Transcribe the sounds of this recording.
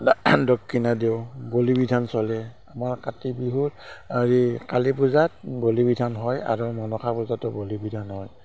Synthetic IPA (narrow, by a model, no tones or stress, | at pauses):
dɔkʰːinadeʊbolibidʱansɔlɛ | amaɹkatibiɦutazikalipuzat̚bolibidʱanɦɔja̰ɹumɔnɔkʰapuzatʊbolibidʱanɦɔj